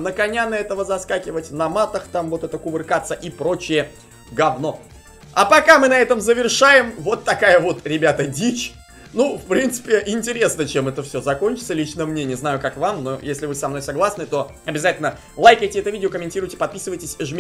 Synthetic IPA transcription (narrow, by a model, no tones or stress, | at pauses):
nəkɐnʲanəɛt̪əvəzɐskakʲɪvətʲnɐmat̪əxt̪amvo̞t̪ɛt̪əkʊbɨrkat̪səʔipɾo̞t͡ɕɪjə | ɡɐvno̞ | ɐpɐkamɨnɐɛt̪əmzəvʲɪrʂajɪmvo̞t̪ːɐkajəvo̞t̪ɾʲɪbʲat̪ədʲit͡ɕ | nufpɾʲint̪sɨ̥pʲɪʔɪnʲtʲɪɾʲe̞snət͡ɕemɛt̪əfsʲozɐko̞nʲt͡ɕɪt̪səlʲit͡ɕnəjəmnʲenʲɪəznajʊkakvamno̞̰jesʲlʲɪvɨsɐmno̞jʲsɐɡlˠasnɨt̪o̞ | ɐbʲɪzatʲɪlʲnə | lˠajkəjtʲɪɛt̪ʊvʲidʲɪokəmʲɪnʲtʲiɾʊjtʲɪpɐt̪̚pʲisɨvəjtʲɪsʲʐmʲ